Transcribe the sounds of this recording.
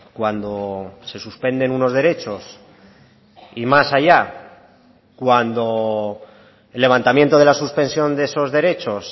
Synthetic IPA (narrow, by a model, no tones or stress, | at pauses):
kwand̪o̞se̞suspe̞nd̪e̞nuno̞zðe̞ɾe̞t͡ʃo̞s | imasaʝa | kwand̪o̞ | e̞lːe̞β̞ant̪amje̞nt̪o̞ð̞elasuspe̞nsjo̞nd̪e̞so̞zðe̞ɾe̞t͡ʃo̞s